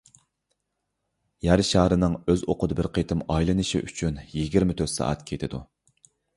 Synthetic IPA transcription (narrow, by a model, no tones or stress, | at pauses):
jæɾʃɑhɾɨnɨŋøzoqʊd̪ɨbɪɾqʰet̪ʰɪmɑjlˠɨnɨʃḭʔy̰t͡ʃʰynjiɡʲiɾmɪt̪ʰøt̪sɑ̰ʔɑ̰t̪kʲʰet̪ʰɪd̪u